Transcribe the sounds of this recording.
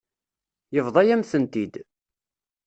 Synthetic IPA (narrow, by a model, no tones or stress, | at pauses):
jəvðˤɑjæmθənt̪id̪